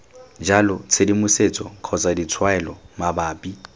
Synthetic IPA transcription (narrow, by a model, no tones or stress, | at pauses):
d͡ʒalɔt͡sʰedimʊset͡sʼɔ̰kʰɔt͡sʼadit͡sʰwaɛlɔmabaːpʼi